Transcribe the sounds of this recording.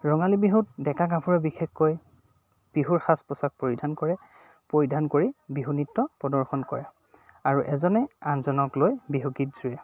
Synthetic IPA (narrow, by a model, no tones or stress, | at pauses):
ɹɔŋalibiɦut̚dɛkaɡapʰuɹɛbixexkːoj | b̥iɦuɹxaspɔsak̚poɹidʱankɔɹɛ | poɹidʱankoɹibiɦunitːɔpɔdɔɹxɔnkɔ̰ɹɛ | aɹuʔɛzɔnɛanzɔnɔklojbiɦuɡit̚zujɛ